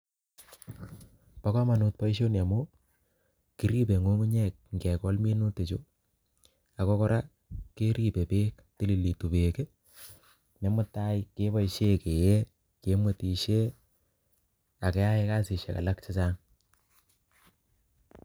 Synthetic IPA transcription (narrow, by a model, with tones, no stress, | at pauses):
pa˦kɔ˦ma˨nu˧t̚pa˦i˦ʃo˦nja˨mo˦ | ki˨ɾi˦pe˨ŋo˦ŋu˦ɲɛ˦˨k̚ŋɡɛ˨kɔ˦lme˦nu˦te˨t͡ʃo˦ | a˨kɔ˦kɔ˦ɾʔa˦ | ke˦ɾi˦pe˨pe˦k | ti˦li˨li˨tu˨pe˨ke˦ | ne˨˦mʊ˦tːa˦jke˦pa˦iʃe˦ke˨je˦ | ke˨˦mwe˨ti˨ʃe˦ | a˨ke˦a˦e˦kaː˦si˨ʃḛ˨ka̰˨la˦k̚t͡ʃɪ˦sa˦ŋ